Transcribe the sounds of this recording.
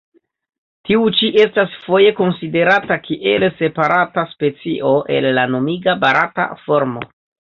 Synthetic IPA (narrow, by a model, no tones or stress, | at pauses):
tiut͡ʃiʔe̞stasfo̞je̞ko̞nside̞ɾatakʰiʔe̞lse̞paɾataspe̞t͡siʔo̞ʔe̞̰lːano̞miɡabaɾata̰fo̞ɾmo̞̰